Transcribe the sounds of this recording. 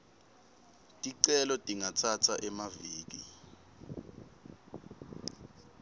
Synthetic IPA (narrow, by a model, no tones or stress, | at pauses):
tʼiǀɛlɔtʼiŋatʰatʰaʔɛmaviːk̬i